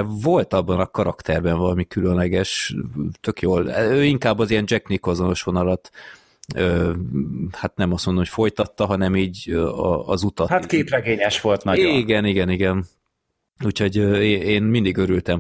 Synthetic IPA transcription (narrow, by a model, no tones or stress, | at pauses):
vo̞lt̪ɒbːɒnɒkɒɾɒkt̪ʰɛrbɛɱvɒlɒmikylønlɛɡɛʃt̪ø̞kjoːløːiŋkaːbːɒzijɛnd͡ʒɛknikozo̞no̞ʃʋo̞nɒlɒt̪ | øː | hat̪nɛmɒst̪mond̪omo̥fo̞jt̪ɒt̪ːɒɦɒnɛmiːɟɒ̰ɒ̰zut̪ɒhat̪keːprɛɡeːɲɛʃʋo̞lt̪nɒiɡɛniɡɛniɡɛn | uːcho̞ɟøːeːeːnmind̪iɡøɾylt̪ɛm